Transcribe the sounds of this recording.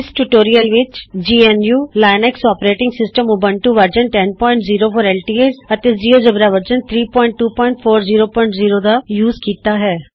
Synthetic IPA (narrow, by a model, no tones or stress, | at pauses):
ɪsʈuʈoːɾijəlʋɪt͡ʃd͡ʒiːɛnjuːlaːɪnɛksɔːpɾeːʈɪ̃ŋɡsɪsʈəmʊbənʈuʋəɾd͡ʒənʈɛnpɔːɪ̃ɳʈziːɾoːpʰoːɾɛːlʈiːeːsət̪eːziːoːd͡ʒəbɾaːʋəɾd͡ʒənt̪ʰɾiːpɔ̃ːɪ̃ɳʈːuːpɔːɪɳʈ̚pʰoːɾziːɾoːpɔːɪ̃ɳʈziːɾoːd̪aːjuːzkiːt̪aːɦɛː